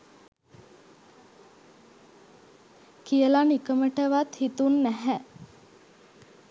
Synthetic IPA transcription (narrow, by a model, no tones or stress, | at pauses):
kijəlanikəməʈəʋat̪hit̪unːæɦæ